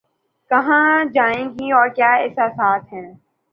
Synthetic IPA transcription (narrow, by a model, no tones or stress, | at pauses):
kɐɦãd͡ʒaːẽːɡiɔːɾkjaːɛːsasaːt̪ʰɦɛ̃ː